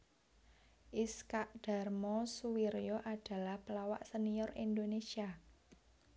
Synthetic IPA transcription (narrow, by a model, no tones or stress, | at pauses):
ʔiskaʔd̥a̤rmɔsuwiɾjoʔad̥a̤lahpəlawa̰ʔsəniɔrind̪onesia